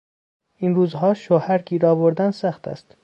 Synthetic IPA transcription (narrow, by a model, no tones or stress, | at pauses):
inɾuːzɦɒːʃohæɾɡiːɾɒːboɾd̪ænsæxt̪ʰæ̰st̪